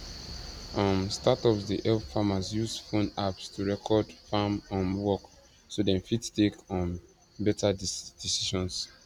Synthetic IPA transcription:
ãmstatɔpsdiʔɛlffamazjusfõnapstʰuɹɛkʰɔdfamɔ̃mwɔk | sodɛ̃nfittekɔ̃m | bɛtad̥isiʃɔ̃ns

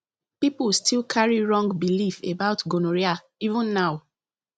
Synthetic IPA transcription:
pipulstilkʰaɹiɹɔ̃ŋɡbilifebaʊtɡonoɹia | ivũnːaʊ

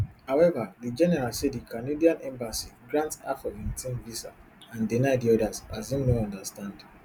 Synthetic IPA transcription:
haʊwɛvadid͡ʒɛnɛɾasedikʰanediãnɛ̃mbasiɡɾãntsa̰fɔvĩntĩnvisa̰ | ãndinaɪdiɔdazazjĩmnoɔ̃ndastãnd

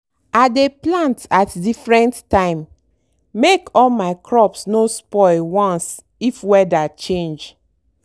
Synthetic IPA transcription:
adeplãntatdifɹɛ̃ntːãɪ̃mː | ekɔlmaɪkʰɹɔpsnospɔɪlwɔ̃ns | ifwɛdat͡ʃẽnd͡ʒ

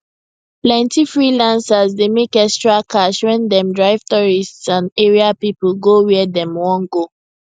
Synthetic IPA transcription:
plɛ̃ntifɹilãnsazdemekɛkstɹakʰaʃwɛ̃ndɛ̃mdɹaɪv̥tɔɹistsãndeɹiapipəlɡowidɛ̃mwɔ̃nɡo

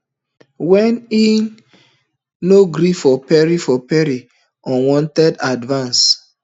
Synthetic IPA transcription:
wɛni | noɡɾifɔpɛɹifɔpɛɾi | ɔ̃wɔ̃ntɛdadvãns

